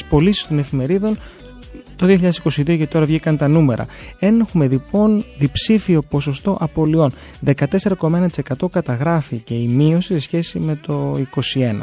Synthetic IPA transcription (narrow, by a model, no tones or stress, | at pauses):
spo̞lisi̥st̪o̞ne̞fime̞ɾiðo̞n | t̪o̞ðioçiʎɐðesiko̞siðio̞ce̞t̪o̞ɾɐvʝikɐnt̪ɐnume̞ɾʔɐ̰e̞nexume̞lipo̞nðipsifio̞po̞so̞st̪o̞ʔɐpo̞lio̞n | ðe̞kɐt̪e̞se̞ɾɐko̞mɐe̞nɐt̪isekɐt̪o̞kɐt̪ɐɣɾɐfice̞imio̞sise̞sçe̞sime̞t̪o̞iko̞sie̞nɐ̰